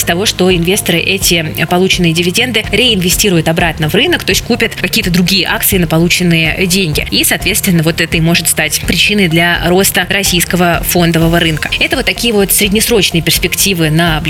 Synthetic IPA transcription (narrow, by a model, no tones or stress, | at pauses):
sʲt̪ɐvo̞ʂt̪o̞ɪnvʲe̞st̪əɾɨʔɛtʲɪpɐlˠut͡ɕɪnːɨjədʲɪvʲɪdʲe̞nd̪ɨɾʲɪɪnvʲɪsʲtʲiɾʊjʊt̪ɐbɾat̪nəvrɨnəkt̪o̞sʲt̚ʲkupʲət̪kɐkʲijət̪əd̪ɾʊɡʲijəʔakt̪sɨɪnəpɐlˠut͡ɕɪnːɨjədʲenʲɡʲɪ̰isaːt̪vʲet̪st̪vʲɪnːəvo̞t̪ɛt̪əimo̞ʐɨt̪st̪atʲpɾʲɪt͡ɕinɨjd̪lʲɐɾo̞st̪əɾɐsʲijskəvəfo̞nd̪əvəvəɾɨnkə̥ɛt̪əvot̪ːɐkʲijəvo̞t̪sʲɾʲɪdʲnʲɪsɾo̞t͡ɕnɨjəpʲɪrspʲɪktʲivɨnɐblʲ